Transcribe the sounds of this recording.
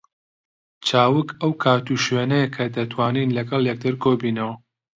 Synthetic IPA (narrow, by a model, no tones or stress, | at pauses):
t͡ʃʰaːwɨkʰɐwkʰaːt̪uʃɥeːnɛjɐkʰɐd̪ɐt̪ʰwaːniːnlɐɡɐlˠjɛk̚d̪ɨɾkʰobiːnɐwɐ